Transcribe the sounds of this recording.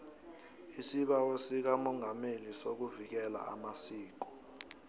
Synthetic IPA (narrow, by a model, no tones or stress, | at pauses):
isiɓawosik̬amɔŋamelisok̬uvik̬ɛla̰a̰masiːk̬ɔ̥